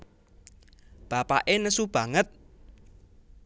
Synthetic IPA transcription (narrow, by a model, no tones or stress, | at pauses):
b̥a̤pa̰ʔenəsub̥ä̤ŋət̪̚